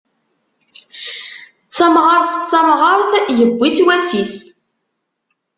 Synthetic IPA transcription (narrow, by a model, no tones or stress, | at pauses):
θæmʁəɾˤθə̥t͡sːɑmʁəɾˤθjəbʷːit͡sːwæsis